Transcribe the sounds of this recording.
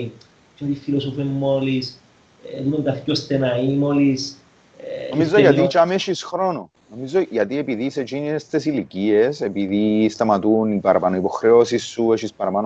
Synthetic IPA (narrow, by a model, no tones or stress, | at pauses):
t͡ʃot̪ifilosofemːolis | lumoŋkɐθiost̪enɐimolis | omizzːojɐt̪̬it͡ʃɐmeʃisxɾo̞no | no̞mizoʝɐt̪ie̞piðise̞t͡ʃiniest̪esilicie̞se̞piðist̪ɐmɐt̪unipɐɾɐpɐnoipo̞xɾeo̞sisːue̞ʃispɐɾɐpɐn